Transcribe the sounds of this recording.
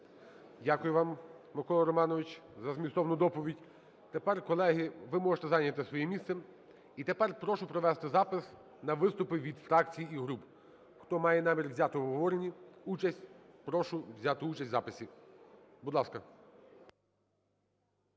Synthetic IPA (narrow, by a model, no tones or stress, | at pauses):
dʲakʊjʊʋɑm | mɪkɔlˠɐɾɔmɑnɔʋɪt͡ʃzɐzmʲist̪ɔʋnʊd̪ɔpɔʋʲidʲ | t̪epɛrkɔlˠɛɦɪʋɪmɔʒet̪ɛzɑjnʲɐt̪ɪsʋɔjimʲist̪sɛ | it̪epɛrpɾɔʃʊpɾɔʋɛst̪ɪzɑpɪs | nɐʋɪst̪ʊpɪʋʲid̪fɾɑkt͡sʲijiiɦɾup | xt̪ɔmɑjɛnɑmʲirʋzʲat̪ɪɔɦɔʋɔɾenʲiut͡ʃɐsʲtʲpɾɔʃʊʋzʲat̪ɪut͡ʃɐsʲtʲzɑpɪsʲi | bud̪lˠɑskɐ